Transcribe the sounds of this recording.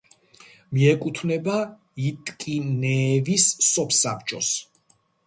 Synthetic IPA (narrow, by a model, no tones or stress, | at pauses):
miɛkʼut̪ʰvnɛba | it̪ʼkʼinɛːvisːɔpʰsapʰt͡ʃʼɔs